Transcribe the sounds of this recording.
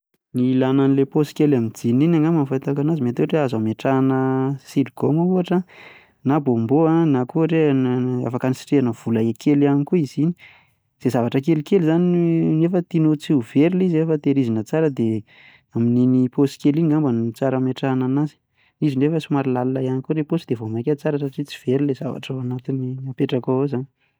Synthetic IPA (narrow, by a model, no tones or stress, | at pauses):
nilananileposi̥kʲelamidininaŋamanfajt̪akanazimat̪oʈ͡ʂeazameʈ͡ʂanəsiɾɡomauaʈ͡ʂa | nabomboanakuɾea̰fakanisi̥ʈ͡ʂeanəv̥ulaekʰelanikuizini̥ | z̥ezavaʈ͡ʂək̬elikelizaninefət̪inot͡siuv̥eɾilizefət̪eɾizinət͡saɾəd̪e | amininiposi̥keliiŋambanit͡saɾameʈ͡ʂananazi̥ | nizinefəsimaɾilalulajanikoɾeposid̪evomakʲat͡saɾəsaʈ͡ʂit͡si̥v̥eɾilezava̰ʈ͡ʂawanat̪iniapeʈ͡ʂakaozani